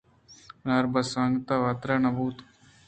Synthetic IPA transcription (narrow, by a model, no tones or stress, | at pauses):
naɾbɐsaŋɡt̪aʋat̪ɾanɐbuːt̪